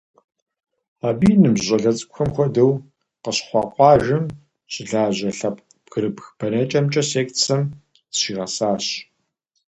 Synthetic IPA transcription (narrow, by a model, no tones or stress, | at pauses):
aːbiːnɨmʑʷʼɐɮɐt͡sʼkʷxɐmxʷɔdɐw | qəɕχʷɑːqʷʼɑːʒɐm | ɕʼɪɮaːʑɐɬɐp̚ʰʼ | pɡ̥ɨɾɨbxbʰɐnɐt͡ʃʼɐmt͡ʃʼɐseːkt͡sʰɐm | ʃiːʁɐsaːɕ